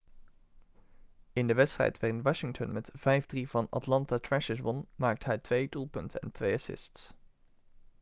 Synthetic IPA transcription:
ɪndəʋɛtstrɛ̰jtʋarɪnʋɑʃɪŋtə̰nmɛtv̥ɛjvdrivɑnɑ̰tlɑntatɹɛʃəsbɔnmaːk̚təɦɛjtʋejdulˠpɵntənɛ̰ntʋejɑsɪ̰sts

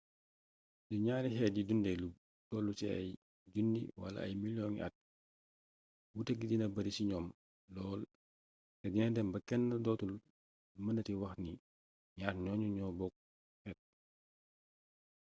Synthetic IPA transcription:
duɲaːɾiɦɛːt̚jidundɛlub̚ | tɔlːutɛɐ̰j | d͡ʒundḭwɐ̰lɐ̰ɐ̰jmiljɔŋḭʔɐ̰t̚ | wutəɡidinɐbɐɾisiɲɔːm | lɔːl | tɛdinɛdɛmbɐkɛnːɐdɔːtul | mɐnɐtiwɐxni | ɲaːɾɲɔːɲuɲɔːbɔk̚ | hɛːt̚

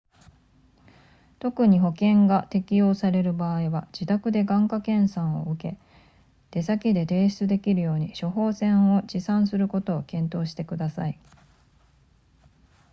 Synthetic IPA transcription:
t̪o̞kɯ̟ɲ̟iɦo̞kẽ̞ŋɡat̪e̞kʲijo̞ːsaɾe̞ɾɯ̟baːiβad͡ʑit̪akɯ̟d̪e̞ɡãŋkakẽ̞ɰ̃sãɰ̃o̞̰ɯ̟ke̞ | d̪̥e̞sakʲid̪e̞t̪e̞ːɕi̥t͡sɨd̪e̞kʲiɾɯ̟jo̞ːɲ̟iɕo̞ɦo̞ːsẽ̞ɰ̃o̞d͡ʑisãɰ̃sɨɾɯ̟ko̞t̪o̞ːkẽ̞nt̪o̞ːɕi̥t̪e̞kɯ̟d̪asa̰i

